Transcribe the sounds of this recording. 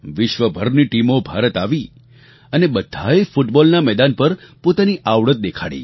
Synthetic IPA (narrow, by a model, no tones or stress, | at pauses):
ʋɪʃʋəbʱəɾniʈimobʱaɾət̪aʋi | ənebəd̪ʱaefuʈbɔlnamɛd̪anpəɾpot̪aniʔaʋɭət̪̚d̪ekʰaɽḭ